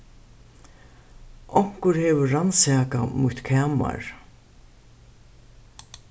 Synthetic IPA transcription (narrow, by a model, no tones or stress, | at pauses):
ʔɔŋ̥kʊɾhɛːʋʏːansæːkamʊht̪kʰæːma̰ɹ